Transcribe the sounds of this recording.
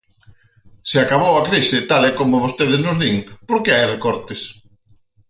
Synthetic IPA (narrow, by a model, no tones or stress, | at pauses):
seakaβ̞owakɾisɪt̪alɛkomʊβost̪eðɪznʊzðiŋpoɾkɪajrekɔɾt̪ɪs